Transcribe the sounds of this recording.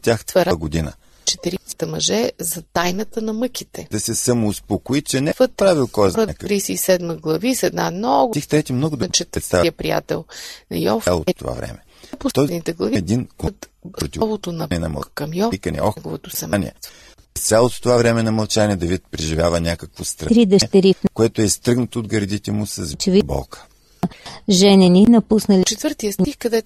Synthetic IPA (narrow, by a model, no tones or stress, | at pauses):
t̪ʲaxt̪vɐɾaɡod̪inə̰ | t͡ʃɛ̥t̪ɛɾiə̥t̪ɐmɐʒɛzɐt̪ajnɐt̪ənɐmɤkit̪ɛd̪ɐsɛsɐmoːspokoit͡ʃɛnɛvət̪pɾavilˠkɔjɛzɾɐkəɾiːsɛisɛd̪məɡlˠɐvisɛd̪namnɔɡ̪ixt̪ɾɛt̪imnɔɡʊd̪t͡ʃɛt̪ɛt̪st̪avjəpɾija̰t̪ɛ̰lˠnɐjɔ̰falˠo̰t̪o̰va̰vɾɛ̰mɛ | pot̪ɔid̪nit̪ɛɡlˠɐviɛd̪inkot̪ɾot̪ʲivvot̪onɐnɛnɐmɐ̰kɐmjɔkənɛ̰ɔxɡovot̪osɐmnʲḭɛ̰ | ɛst̪sʲalˠot̪o̥t̪ovavɾɛmɛnɐmɐlˠt͡ʃanʲiɛd̪ɐvit̪̚pɾiʒivʲjavənʲakəkvost̪ɾɐɾid̪əʃt̪ɛɾifnkoɛt̪oɛist̪ɾɤɡnət̪oːd̪ɡɐɾd̪it̪ɛmʊsəzt͡ʃɛvibɔ̰lˠkə̥ | ʒɛnɛninɐpusnəlit͡ʃɛt̪vəɾt̪ijəsnixkɐd̪ɛ